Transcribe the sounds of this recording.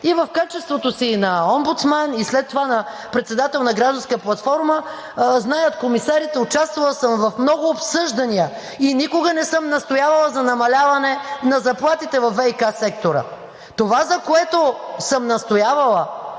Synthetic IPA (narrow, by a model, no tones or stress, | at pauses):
ivɐfkat͡ʃɛst̪vot̪osinɐɔmbut̪smanislɛt̪ːovanɐ | pɾɛt̪sɛd̪at̪ɛlˠnɐɡɾaʒd̪ɐnskəplˠɐt̪fɔɾmə | znajət̪komisaɾit̪ɛʊt͡ʃast̪vɐlˠsəmvɐfmnɔɡʊːpsɤʒd̪ɐniə | inikʊɡənɛsɤmnɐst̪ojavɐlˠəzɐnɐmɐlʲavɐnɛnɐzɐplˠat̪it̪ɛvɐfvɛikasɛk̚t̪oɾə̰ | t̪ovazɐkoɛt̪osəmnɐst̪ojavɐlˠə